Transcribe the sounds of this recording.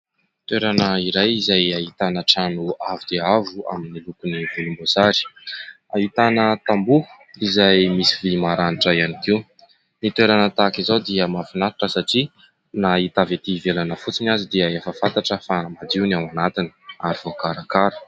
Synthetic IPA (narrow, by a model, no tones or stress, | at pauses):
t̪weɾanəiɾajizajaɦit̪anəʈ͡ʂanuavud̪eavua̰minilukunivolumbozaɾi̥ | ait̪anət̪ambuu̥ | izajmisivimaɾaniʈ͡ʂajanikiw | nit̪weɾanət̪akizawd̪iəmafinaɾiʈ͡ʂəsaʈ͡ʂi | nait̪avet̪ivelanəfut͡sinazid̪iəefəfant̪aʈ͡ʂəfamad̪iwnawanat̪ini̥aɾiv̥okaɾakaɾə̥